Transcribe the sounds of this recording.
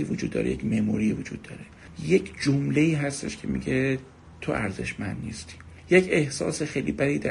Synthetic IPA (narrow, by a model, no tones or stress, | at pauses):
ivod͡ʒuːd̪ːɒ̰ɾejḛcmemuɾiːvod͡ʒuːd̪̥̚ːɒ̰ːɾe | jecʰd͡ʒomleiːɦæst̪e̞̰ʃkʰe̞mḭɟe | t̪ʰoʔæɾze̞̰ʃmænd̪nist̪ʰi̥ | jecʰe̞hsɒ̰ːsexejliːbæɾiːd̪æ